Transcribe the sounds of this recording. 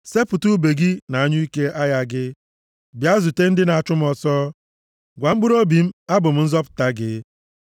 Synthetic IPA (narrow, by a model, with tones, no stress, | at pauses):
se˦pʊ˨tu˦be˨ɡi˦na˨a˦ɲʊ˦i˦ke˦ʔa˦ja˦ɡɪ˦ | bja˦zu˨te˦n̩˦dɪ˦na˨a˨t͡ʃʊ˦m̩˦ɔ˨sɔː˦ | ɡʷa˨m̩˦ɡ͡bʊ˦ɾo˦bi˨m̩˦a˦bʊ˨m̩˦n̩˦zɔ˦pʊ̥˨ta˦ɡɪ̰˨